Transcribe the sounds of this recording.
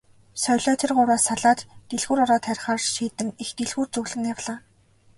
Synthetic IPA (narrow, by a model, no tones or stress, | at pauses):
sœjʲɮɔːt̪ʰerɢʊɾaːsaɮaːt̪ːeɮɣuːɾɔɾɔːt̪ʰæɾ̆ʲχaːrt͡ɕʃiːt̪ɘ̆mext̪eɮɣuːrt͡sɵɣɮɘ̆njawɮaː